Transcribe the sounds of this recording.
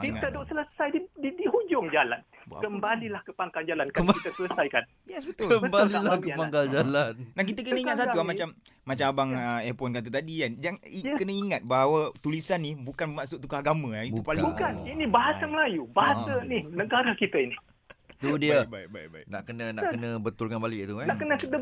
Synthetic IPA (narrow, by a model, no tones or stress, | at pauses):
kiŋt̪ədʊʔsələsajdididihud͡ʒʊŋd͡ʒala̰n | kəmbalilahkəpaŋkand͡ʒalankait̪əsələsajkan | jɛsbət̪uləbəmbalilakəpaŋɡald͡ʒalannahk̬it̪̬ək̬ənnə̃iŋat̪̚sat̪uamat͡ʃamː | at͡ʃamabaŋəɛpɔnkat̪at̪adiand͡ʒaŋikənə̃iŋat̪̚baɦawat̪ulisanːibukanəmaʔsʊt̚t̪ukəaɡamə̃aiupalukaninibaɦasaməlajubaɦasaninəɡaɾakit̪əini | t̪udiəbajbajbajna̰ʔkənənaʔkkənə̃bət̪ʊlkanbalɪʔt̪ukanaʔkənəkət̪ə